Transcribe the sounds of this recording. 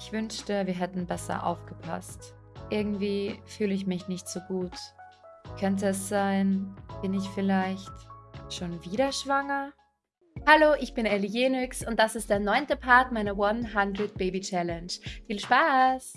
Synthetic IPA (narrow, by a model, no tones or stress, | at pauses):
ʔɪçv̥ʏnʃtəviːɐɦɛtn̩bɛsɐ̰ʔa̰ʊfɡ̥əpʰa̰st | ʔɪɐɡŋ̩tv̥iːfyːləɪçmɪçnɪçtz̥oːɡuːt | kʰœntəɛsz̥aɪnb̥ɪnɪçfɪlaɪçtʃoːnviːɾɐʃv̥aŋɐ | haloːʔɪçb̥ɪnelijeːnʏksʊnt̚d̥asɪst̚d̥eːɐnɔʏntəpʰaɐtmaɪnɐwanɦandɾɪt̚b̥eɪbit͡ʃɛlɛnʃfiːlʃpaːs